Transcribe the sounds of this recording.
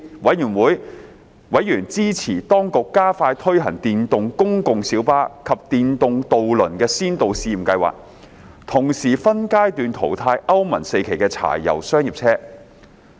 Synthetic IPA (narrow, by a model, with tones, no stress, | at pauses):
wɐ˨˥jjyː˨˩nwuː˨˥j | wɐ˨˥jːyː˨˩nt͡siː˥t͡sʰiː˨˩t̪ɔː˥ŋkʊ˨kːaː˥faː˧jt̪ʰɵ˥ɥɦɐ˨˩ŋt̪iː˨nt̪ʊ˨˧ŋkʊ˥ŋkʊ˨ŋsiː˨˥wpaː˥kʰɐ˨p̚t̪iː˨˧nt̪ʊ˨˧ŋt̪o˨wlɵ˨˩nkɛː˧siː˥nt̪o˨wsiː˧m̩˨˩kɐ˧jwa̰ː˨k̚ | t̪ʰʊ˨˩ŋsiː˨˩fɐ˥nkaː˥jt̪yː˨˧nt̪ʰo̰˨˩wt̪ʰaː˧jʔɐ˥wmɐ˨˩nse˧jkʰe˨˩jkɛː˧t͡sʰa̰ː˨˩jːɐ̰˨˩wsœː˥ŋji˨p̚t͡sʰɛː˥